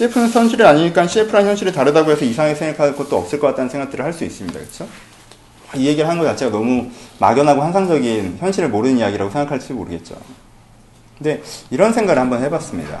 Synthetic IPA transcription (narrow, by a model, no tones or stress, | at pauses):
ɕiepʰɯnɯnsʰjʌnɕʰiɾɯɾaɲiɲik͈anɕʰiepʰɯɾançjʌnɕʰiɾɯɭtaɾɯdaɡoɦe̞sʰʌisʰaŋesʰeŋɡakʰak͈ot͈̚oʌps͈ɯɭk͈ʌk͈at͈anɯnsʰe̞ŋɡak̚t͈ɯɾɯɭhaɭs͈uḭs͈ɯmɲida̰kɯt͡ɕʰo | waije̞ɡiɾɯɭɦanɯnɡʌt͡ɕat͡ɕʰeanʌmuma̰ɡjʌnɦaɡohansʰaŋd͡ʑʌɡinçjʌnɕʰiɾɯɭmoɾɯnijaɡiɾaɡosʰeŋɡakʰaɭs͈udmo̰ɾɯɡe̞t̚t͡ɕ͈o̰ | kɯnde̞iɾʌnsʰe̞ŋɡaɡɾɯɭhambʌnhʰe̞bas͈ɯmɲḭda̰